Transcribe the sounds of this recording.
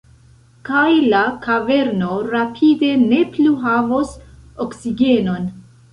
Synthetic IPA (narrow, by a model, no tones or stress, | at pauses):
kajlakave̞ɾno̞ɾapʰide̞ne̞pluɦavo̞soksiɡe̞no̞n